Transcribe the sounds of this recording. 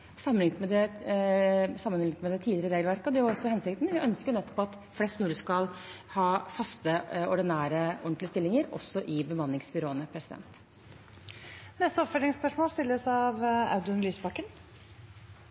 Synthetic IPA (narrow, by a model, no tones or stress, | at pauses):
sɑmənɪŋt̪mɛd̪ɛ | sɑmːənɪɪŋt̪mɛd̪ɛt̪ʰiːd̪lɪɾəɾeːɡəlʋæɾkəɔd̪ɛːʊɾɔsɔhɛnsɪk̚t̪nʋɪʔœnskənɛt̪ːɔ̥pʰːɔɑt̪ | flɛst̪mʉːləskɑl | hɑːfɑst̪əɔɖɪnæːɾəɔnt̪lɪəst̪ɪlːɪŋəɾɔ̰sɔʔɪbəmɑnːɪŋsbʏɾoːənəpʰɾɛsɪd̪ɛ̰nt̪ | nɛst̪əɔpfœʈ̪ɾɪŋspœʂmoːlst̪ɪlːəsɑʋɑ̰ʉd̪ʉnlyːsbɑkːən